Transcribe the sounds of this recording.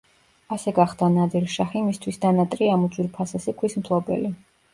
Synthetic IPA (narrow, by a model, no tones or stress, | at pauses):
asɛɡaχd̪anad̪ilʃaχimist̪ʰwisd̪anat̪ʼɾiamud̪zʼwilpʰasasikʰwismt̪ʰlˠɔbɛ̰li